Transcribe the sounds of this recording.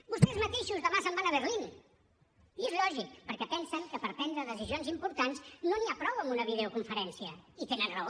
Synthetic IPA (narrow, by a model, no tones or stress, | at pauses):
bust̪ɛezmət̪eʃuzðəβasambanəβərlin | iezlɔʒik̚pəɾkɛpɛnsəŋkəpəɾp̪ɛnd̪ɾəðəsizionzimpuɾt̪anznoniapɾɔwəmbunəβiðeukuɱfəɾɛnsiəit̪enənrə